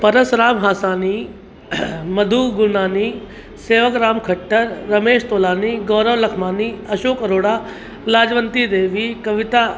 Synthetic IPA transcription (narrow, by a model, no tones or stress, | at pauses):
pɐɾəsɾaːmɦaːsaːni | mɐd̪ʱuɡʊnaːni | seːʋəkɾaːmkʰɐʈːəɾːɐmeːʃt̪oːlaːniɡɔːɾəʋlɐkʰmaːniɐʃoːkɐɾoːɽaː | laːd͡ʒʋənt̪id̪eːʋikɐʋɪt̪aː